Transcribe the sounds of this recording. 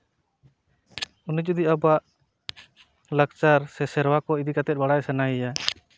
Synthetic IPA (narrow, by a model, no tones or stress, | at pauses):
unid͡ʒud̪iabaʔ | lak̚t͡ʃaɾsɛsɛɾwakɔid̪ikat̪ɛt̪̚baɽajsanaɛja